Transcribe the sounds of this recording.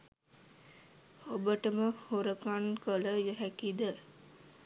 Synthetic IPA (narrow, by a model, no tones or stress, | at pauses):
obəʈəməhoɾəkankələjəɦækid̪ə